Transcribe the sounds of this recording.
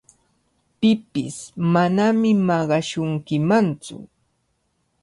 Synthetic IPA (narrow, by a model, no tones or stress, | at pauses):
pɪpɪ̰smanamɪmɑɢɑʃʊŋkɪmant͡sʊ̰